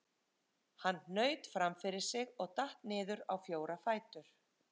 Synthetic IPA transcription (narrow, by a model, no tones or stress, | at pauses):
hanːnœːɥt̪fɾamfɪɾɪɾ̥sɪɣɔɣt̪aht̪nɪːðʏɾawfjoːwɾafaːjt̪ʏɾ̥